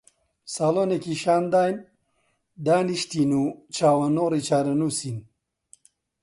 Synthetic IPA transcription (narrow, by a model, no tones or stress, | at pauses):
saːloːnekiːʃaːnd̪aːjn | d̪aːniʃt̪iːnuːt͡ʃʰaːwɐnoːɾit͡ʃʰaːɾɐnuːsiːn